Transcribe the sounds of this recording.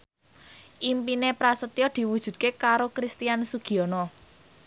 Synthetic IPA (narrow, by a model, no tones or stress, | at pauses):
ʔimpinepɾasət̪jɔd̪̥i̤wud̥ʒ̥ṳd̪̚kekaɾokɾist̪ijansuɡ̥i̤ɔnɔ